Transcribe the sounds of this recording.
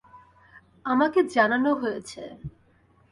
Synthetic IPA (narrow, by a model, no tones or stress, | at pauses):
amaked͡ʑananoɦojet͡ɕʰe